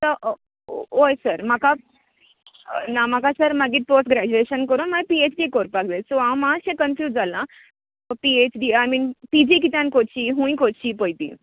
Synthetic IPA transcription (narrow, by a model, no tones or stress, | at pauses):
t̪əʔ | ojsəɾmaka | namakasəɾmaɡiʈ̚posʈɡɾæd͡ʑueʃənkəɾũnmajpiet͡ʃɖikoɾpak̚d̪esoãw̃mãsẽkənfjuːd͡zalã | piet͡ʃɖiːajmiːnt̪id͡ʑik̬it̪ãnkot͡ɕiɦũĩkot͡ʃipojt̪ḭ